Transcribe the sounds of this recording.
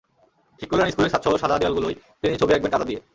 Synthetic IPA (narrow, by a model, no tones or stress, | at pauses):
ʈʰikːoleaniskuleɾʃat̪ʃʰɔɦoɾʃad̪ʱad̪ijalɡuloj | t̪init͡ɕobiɛk̚beʈat̪ad̪ie